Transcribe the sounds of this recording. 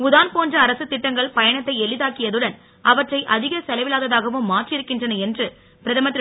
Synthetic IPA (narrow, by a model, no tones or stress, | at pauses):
ʊðaːnpoːndrɐːɾɐsɯt̪ːɪʈːɐŋɡɐɭpɐjɐɳɐt̪ːɐɪɛɭɪðaːkɪjɐðɯɽɐn | ɐʋɐʈrɐɪʔɐðɪɣɐsɛlɐʋɪlaːðɐðaːɣɐʋɯmːaːʈrɪɾɯkːɪndrɐnɐɛndrɯ | pɪɾɐðɐmɐt̪ːɪ